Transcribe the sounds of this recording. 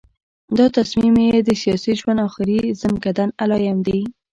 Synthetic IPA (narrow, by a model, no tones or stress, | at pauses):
d̪ɑt̪asmimed̪əsijɑsiʒwand̪ɑxɪɾizəmkad̪analɑjamd̪e